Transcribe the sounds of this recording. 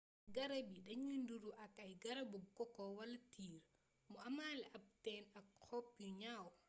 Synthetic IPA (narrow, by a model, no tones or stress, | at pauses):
ɡɐɾɐbiɗɐɲunduɾuʔɐkɐjɡɐɾɐbuɡɔkɔwɐlɐtʰiːɾ | mɔɐmaːlɛʔɐp̚tɛnɐkkɔpjuɲaw